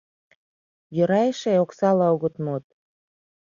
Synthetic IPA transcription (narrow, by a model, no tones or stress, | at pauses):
jøɾɑjeʃeoksɑlɑoɣət̪mot̪̚